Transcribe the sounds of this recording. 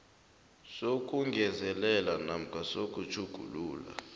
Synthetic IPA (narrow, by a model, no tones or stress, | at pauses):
sok̬ʼuŋɡʱɛzɛlɛlanam̩kʰasok̬ʼut͡ʃʰuɡ̥ʱṵluːla̰